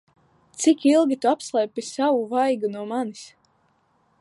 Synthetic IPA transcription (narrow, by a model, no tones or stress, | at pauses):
t̪sikilˠɡʲit̪uapslˠɛjpisavuvajɡunuɔmanis